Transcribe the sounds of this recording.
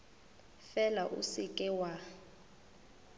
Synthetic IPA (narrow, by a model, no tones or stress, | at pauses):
fɛlaʔṵsɪkʼɛwa